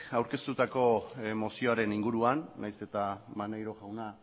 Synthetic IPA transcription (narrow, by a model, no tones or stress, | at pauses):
awɾke̞st̪ut̪ako̞mo̞sio̞aɾe̞niŋɡuɾuanːajse̞t̪amanejɾo̞ɣawna